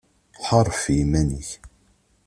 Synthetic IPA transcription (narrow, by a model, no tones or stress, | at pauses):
ħɑɾˤːfjimænəç